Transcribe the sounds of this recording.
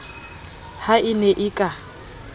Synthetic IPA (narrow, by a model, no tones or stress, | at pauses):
haʔɪnɛʔɪkʼa